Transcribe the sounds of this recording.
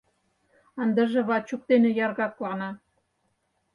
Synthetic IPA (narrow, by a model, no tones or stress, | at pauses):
ɑnd̪ɤ̆ʒĕβɑt͡ɕuk̚t̪enĕjɑrɣɑt̪lɑnɑ